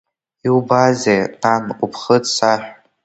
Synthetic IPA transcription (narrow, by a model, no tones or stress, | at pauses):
iwbazejtʼankʷʼupʰχədsaħʷᶣ